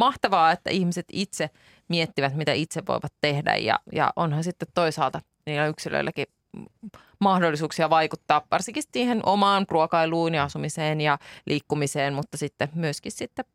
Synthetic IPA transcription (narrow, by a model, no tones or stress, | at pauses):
mɑht̪ɑʋɑːet̪ːæ̰ʔihmiset̪it̪se | miet̪ːiʋæt̪mit̪æit̪seʋʋo̰iʋɑt̪tehdæ̰jjɑ̰jɑ̰ʔonhɑnsit̪ːet̪to̞isɑːlt̪ɑ | niːlːæyksilø̰ilːʔæki | mɑhdolːisuːksiɑʋɑjkut̪ːɑːʋʋɑrsiŋkist̪siːhenʔomɑːnpruokɑiluːniɑsumiseːnjɑlʔiːkːumiseːnmut̪ːɑsit̪ːemyøskissit̪ːe